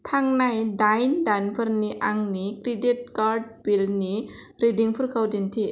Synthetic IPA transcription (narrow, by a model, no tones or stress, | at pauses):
t̪ʰaŋnajdajndanpʰəɾniʔaŋnikɾideʈ̚kaɾɖ̚bilniɾediŋpʰɯɾkawdint̪ʰi